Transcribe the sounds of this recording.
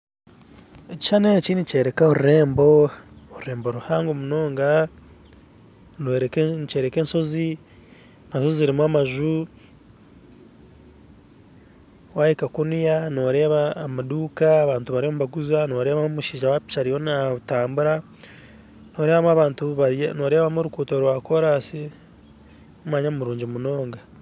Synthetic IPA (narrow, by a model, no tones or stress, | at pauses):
eci̥ʃaneciːnice̞ːɾekaoɾuɾeːmbooɾuɾeːmboɾuhaːŋɡomuno̞ːŋɡa | neɾeknt͡ʃeːɾekeːnso̞zi | nasoziziɾimwamaʒu | wajikakunijano̞ɾe̞βaːmaduːkaːβaːntuβaɾiomuβaɡuzano̞ːɾe̞ːβamomuʃiːʒawapi̥t͡ʃaɾijo̞nataːmbuɾa | no̞ːɾe̞ːβamaβaːntuβaɾno̞ːɾe̞ːβamoɾukuːtoɾwakoɾasi | umaɲamuɾuːɲɟimuno̞ːŋɡa